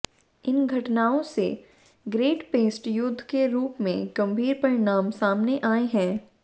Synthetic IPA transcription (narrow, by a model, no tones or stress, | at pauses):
ɪnɡʱɐʈnaːõse | ɡɾeːʈpeːsʈjʊd̪ʱːkeɾuːpmḛ̃ɡ̥ɐ̃mbʱiːɾpɐɾɪnaːmsaːmneʔaːeɦɛ̃ː